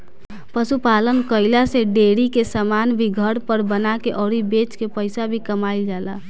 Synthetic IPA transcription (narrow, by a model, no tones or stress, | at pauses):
pəsupalənkəɪlaseɖeɽikesəmanbʱiɡʱəɽpəɾbənakeʔɔːɾibet͡ʃkepəɪsabʱikəmaɪld͡ʒala